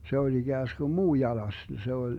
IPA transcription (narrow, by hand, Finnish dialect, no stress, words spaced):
se olʲ iɡ̊æːsɡ̊um muː jɑlɑs se olʲ